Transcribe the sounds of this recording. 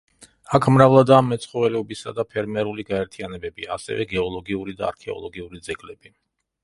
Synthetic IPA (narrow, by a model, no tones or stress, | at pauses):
akʰmɾavlˠad̪aːmːɛt̪sʰχɔvɛlɛɔbisad̪apʰɛɾmɛɾuliɡaɛɾt̪ʰianɛbɛbia̰sɛ̰vɛ̰ɡɛɔlˠɔɡiuɾid̪aa̰ɾkʰɛɔ̰lˠɔɡiuɾid̪zɛɡlɛb̥i